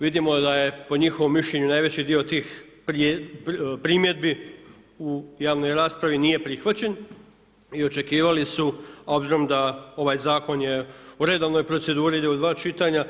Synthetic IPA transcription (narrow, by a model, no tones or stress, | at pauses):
ʋid̪imo̞d̪aje̞po̞ɲixo̞ʋo̞mːiʃʎʲe̞ɲunaːjʋe̞t͡ɕid̪io̞t̪iːxpɾ | pɾiːmje̞d̪̚bi | ujaːʋno̞jɾaːspɾaʋinije̞pɾixʋat͡ɕe̞n | io̞t͡ʃe̞kiːʋalisuo̞bziɾo̞md̪ao̞ʋaːjzaːko̞nje̞uɾe̞d̪oʋno̞jpɾo̞t̪se̞d̪uːɾiid̪eud̪ʋaːt͡ʃit̪aɲa